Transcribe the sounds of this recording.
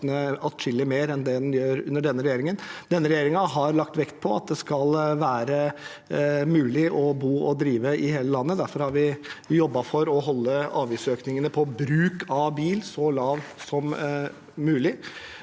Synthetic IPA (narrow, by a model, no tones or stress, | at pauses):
nəɑt̪ʂɪlːɪmeːɾɛnd̪ɛd̪ɛnjøːɾʉ̰nːəɖɛnːəɾɛjeːɾɪŋənd̪ɛnːəɾɛjeːɾɪŋɑɦɑɾɭɑk̚t̪ʋɛkt̪̚pʰɔɑt̪̚d̪ɛskɑlʋæːɾə | mʉːlɪʔɔbuːɔd̪ɾiːʋəɪheːləlɑnːəd̪æɾfɔɾhɑɾʋɪjɔbːɑfɔɾɔɦɔlːəɑːʋiːsøːknɪŋənəpʰɔbɾʉːkʰɑbiːlsɔlɑːʋsɔmː | ʉːlɪ